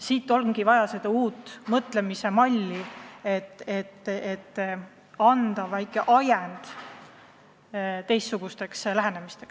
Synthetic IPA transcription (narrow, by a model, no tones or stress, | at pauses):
siːt̪ːˑo̞lŋɡivɑjɑse̞d̪̥ɑuːt̪ːˑmɤt̪le̞misemɑlʲːiet̪ːet̪ːet̪ː | ɑnd̪̥ɑvæjkːˑeʔɑjend̪̥ | t̪e̞jst̪ːuɡ̥ust̪e̞kslæɦe̞nemist̪e̞ks